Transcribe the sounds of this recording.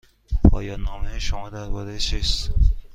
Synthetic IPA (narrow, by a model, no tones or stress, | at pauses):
ɒ̰ːjɒːnɒːmeʃomɒːd̪æɾbɒːɾet͡ʃʰist̪